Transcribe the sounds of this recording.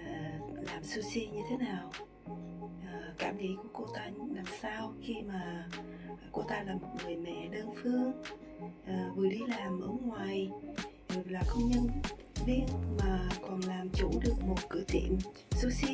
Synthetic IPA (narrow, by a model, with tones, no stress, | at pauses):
laː˨˩msu˧si˧ɲɨ˧t̪ʰe˨˦naː˨˩w | ʔəː˨˩kaː˧˩mŋḭ˧˥ku˧˩əko˧t̪aː˧naː˨˩msaː˧wxi˧maː˨˩ | ko˧t̪aː˧laː˨˩mo˨˩t̚ŋɨ˨˩əjmɛ̰˧˨ɗəː˧nfɨ˧əŋ | ʔəː˨˩vɨ˨˩əɗi˧laː˨˩mʔəː˧˦ŋwaː˨˩j̚ | laː˨˩kə˧wŋ͡mɲə˧n | ɓi˧ənmaː˨˩kɔ˨˩nlaː˨˩mt͡ɕṵ˧˥˦ɗɨ˨˩ək̚mo˨˩t̚kɨ̰˧˥ət̪ḭ˧˨əm | su˧si˧